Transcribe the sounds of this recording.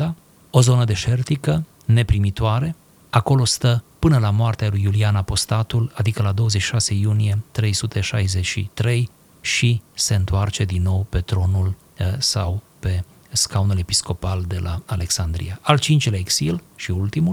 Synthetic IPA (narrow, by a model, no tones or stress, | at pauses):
a | o̞zo̞nəd̪e̞ʃe̞rt̪ikə | ne̞pɾimit̪oaɾe̞ | ako̞lo̞st̪əpɨnəlamoart̪ealujːulianapo̞st̪at̪ulad̪ikəlad̪o̞wəzet͡ʃʃi̥ʃase̞junije̞t̪ɾe̞jsut̪ʰe̞ʃajze̞t͡ʃʃḭt̪ɾe̞j | ʃise̞ɨnt̪oart͡ʃe̞d̪inːo̞wpe̞t̪ɾo̞nul | sa̰w | pe̞ | skaunule̞pisko̞pald̪e̞lʔa̰ale̞ksand̪ɾḭaʔalt͡ʃint͡ʃleeksilʃiult̪imul